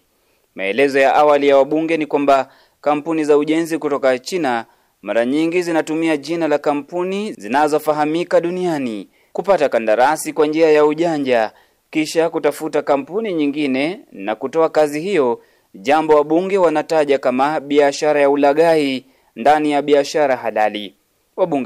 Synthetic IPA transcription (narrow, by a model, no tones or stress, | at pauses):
ma̰ɛ̰lɛzɔjaʔawalijawaɓuŋɡɛnikwamba | kam̩punizauʄɛnzikutɔkat͡ʃina | maɾaɲiŋɡizinatumiaʄinalakam̩punizinazɔfaɦamikaɗuniani | kupatakandaɾasikwand͡ʒiajauʄaɲd͡ʒa | kiʃakutafutakam̩puniɲiŋɡinɛna̰kutɔakazihijɔ | ʄambɔwaɓuŋɡɛwanataʄakamaɓiaʃaɾajaulaɠai | ndanijaɓiaʃaɾaɦalali | waɓuŋɡɛ